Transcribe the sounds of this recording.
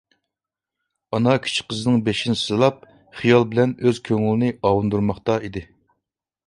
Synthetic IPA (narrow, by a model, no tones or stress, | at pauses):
ɑnɑkʲʰy̥t͡ʃʰi̥qəzɨnɨŋbeʃinɪsɨlˠɑp̚ | χijɑlˠbɪlɛnøz̥kʲʰøŋylɪnɪɑwund̪uɾmɑχt̪ɑid̪ɪ